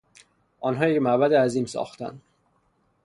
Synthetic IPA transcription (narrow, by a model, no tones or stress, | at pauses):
ʔɒːnɦɒːjecmæbæd̪eæziːmsɒ̰ːxt̪ʰæ̰nd̪